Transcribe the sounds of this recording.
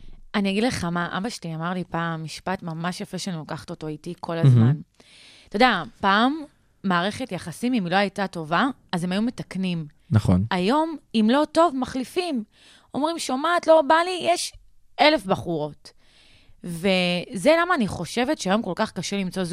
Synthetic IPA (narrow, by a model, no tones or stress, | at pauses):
aniaɡidle̞χamaʔa̰baʃliamaʁlipaːmːiʃpatmamaʃjafʁeʃeanilokaχḁto̞to̞ajtikʰo̞lazman | t̪o̞deapaːmː | aːʁe̞χetjaχasimimilo̞ajtato̞vaː | ze̞majumetaknim | naχo̰najo̞mimlo̞to̞vmaχlifim | o̞mʁimʃomaːtlo̞balijeʃ | e̞le̞fbaχuʁo̞t | veze̞lamaːniχo̞ʃe̞vetʃeajo̞mko̞lkaχkaʃelimt͡so̞z